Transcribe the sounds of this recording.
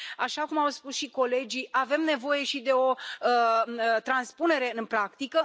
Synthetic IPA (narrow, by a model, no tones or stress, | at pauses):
aʃakumawspusʃiko̞le̞d͡ʒiave̞mne̞vo̞je̞ʃid̪e̞o̞ | t̪ɾanspune̞ɾe̞ɨnpɾakt̪ikə